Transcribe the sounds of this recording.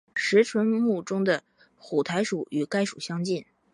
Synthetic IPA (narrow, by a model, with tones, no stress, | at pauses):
ʂɻ̩˧˥ʈ͡ʂʰwə˧˥nmu˥˩ʈ͡ʂʊ˥ŋd̪ə˨ | xu˨˩t̪ʰa˧˥ɪʂu˨˩˦y˨˩ka˥ɪʂu˨˩ɕjɑ˥ŋt͡ɕi˥˩n